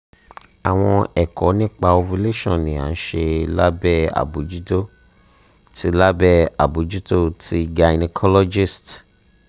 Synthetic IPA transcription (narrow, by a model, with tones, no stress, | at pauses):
a˨w̃ɔ̃˧ɛ˨kɔ˨˦nĩ˦k͡pa˧o˧fu˧le˦ʃɔ̃˦˨nĩ˨a̰˨˦n̩˦ʃe˧la˦bɛ˦˨a̰˨bu˨˦d͡ʒu˦to˦ | ti˦la˦bɛ˦˨a̰˨bu˨d͡ʒu˦to˦tʰi˦ɡa˧ni˧kʰɔ˦lɔ˦d͡ʒi˦˨st